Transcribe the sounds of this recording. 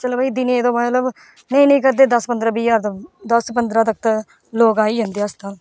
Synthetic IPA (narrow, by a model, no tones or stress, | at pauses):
t͡ʃəloːbaiːd̪ɪnieːd̪õːmət̪ləb | nəĩːnəĩːkəɾd̪eːd̪əspənd̪ɾaːbiːjaːɾt̪əd̪əspənd̪ɾaːt̪ək̚ʰt̪ː | loːkaːiːd͡ʒə̃nd̪eːəst̪al